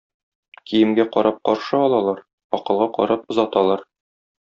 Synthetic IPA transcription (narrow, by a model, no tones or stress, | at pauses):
kʰijɘ̆mɡæqɒɾʔɑp̚qɒɾʃɤɒlˠɑlˠɑɾ | ɒqɤ̆lˠʁɑqɒ̰ɾɑp̚ŏzɑt̪ɑlˠɑɾ